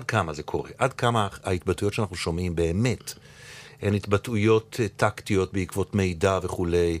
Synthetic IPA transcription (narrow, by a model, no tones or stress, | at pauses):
ad̚kamaze̞kʰo̞̰ʁe̞̰ʔadkamaait̪̚batujo̞tʃeanaχnuʃo̞mimbe̞ːme̞t | enit̪batujo̞ttʰːaktijo̞t̚beikvo̞tme̞jdaveχule̞j